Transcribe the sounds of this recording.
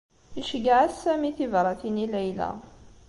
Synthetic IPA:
iʃəɡaʕæsːæmiθivɾˤɑt̪inilæjlæ̰

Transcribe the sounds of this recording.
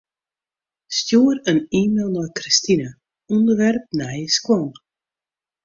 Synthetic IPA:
stjuːərəniːmelˠnɔjkristinə | ɔndərʋɛrp̚nɛjəskwɔn

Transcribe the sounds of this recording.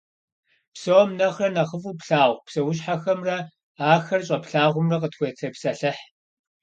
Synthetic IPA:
psowɔmnɐχrɐnɐʁəfuːpɬaːʁʷpsɐwʊɕ̬ħaxɐmrɐ | aːxɐrɕʼɐpɬaːʁʷʊmrɐq̬ətxʷetʰɐpsɐɬɨħ

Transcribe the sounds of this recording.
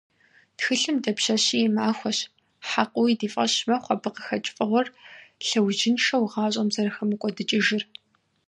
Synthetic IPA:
txɨɬɨmdɐpɕɐɕiːjɛmaːxʷɔɕ | ħaqʷʼʊwidiːfʼɐɕmɐχʷɐbɨqə̥xɐt͡ʃʼfʼɐʁʷɔrɬɐwʒɪnʃɐwʁɑːɕʼɐmzɐrɨxɐmɨkʷʼɔdɨt͡ʃʼɪʒɪr

